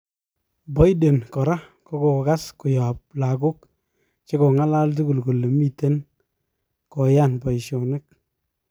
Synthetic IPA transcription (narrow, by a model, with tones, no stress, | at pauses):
bɔ˦jde˨nkɔ˨ɾa˦ko˦ko˨ka˦skʊ˨ja˨p̚la˨ɡu˦k | t͡ʃe˦ko˨ŋa˦la˦lt̬u˦ɡu˨lko˨le˨mi˦te˦n | kɔ˨ja˦nbɔ˨i˨ʃo˨nɪ˦k̚